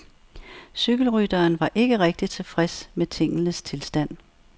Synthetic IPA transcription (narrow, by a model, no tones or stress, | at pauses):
syɡ̥l̩ʁyd̥ɐːnʋɑ̈ʔe̝ɡ̥əʁɛɡ̥̚d̥it͡sʰe̝fʁɛsmet͡sʰe̝ŋ̰ənəst͡sʰe̝lsd̥æn̰